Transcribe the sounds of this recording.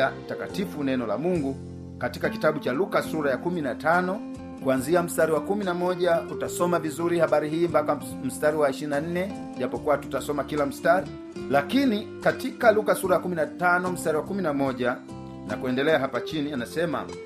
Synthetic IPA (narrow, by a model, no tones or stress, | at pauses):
atakatifunɛnɔla̰muŋɡu | katikakitaɓut͡ʃalukasuɾajakuminatanɔ | kwanziam̩staɾiwakuminamɔɟautasɔmavizuɾihabaɾiɦiːmbaka | m̩staɾiwaiʃiɾnan̩nɛ | ʄapɔkuwatu̥tasɔmakilam̩staɾi | lakini | katikalukasuɾajakuminatanɔm̩staɾiwakuminamɔʄa | na̰kuɛndɛlɛaɦapat͡ʃinianasɛma̰